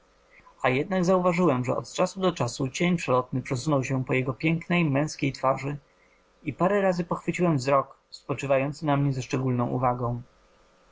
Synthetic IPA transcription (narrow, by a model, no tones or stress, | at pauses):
ajɛd̪naɡzauvaʐɘwɛmʐɛ̰ɔ̰t̪t͡ʂasud̪ɔt͡ʂasut͡ɕeɲpʂɛlɔt̪nɘpʂɛsunɔwɕɛpɔjɛɡɔpʲjɛŋknɛjmɛ̃w̃skʲejt̪faʐɘ | ipaɾɛɾazɘpɔxfɘt͡ɕiwɛmvzɾɔk | spɔt͡ʂɘvajɔnt̪sɘnamɲɛzaʂt͡ʂɛɡulnɔ̃w̃ʔṵvaɡɔ̃w̃